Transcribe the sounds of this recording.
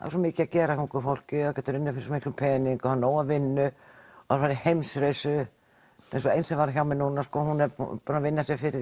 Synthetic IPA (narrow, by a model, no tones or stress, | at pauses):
ha̰s̬ɔmɪːcɪacɛːɾakʰɔŋkʏɾfowl̥cʏaðkɛːt̪ʏɾɪnːʏfɪɾɪsɔmɪhklʏpʰɛːniŋkɔhanːoːwavɪnːʏɔaɾfaːɾɪhejmsɾeɥsʏ | ɛ̰nsɔejnsɛvaɾçawmɛðnuːnaskɔːɦunɛɾ̰pɔɾnavɪnːasjɛfɪɾɪɾ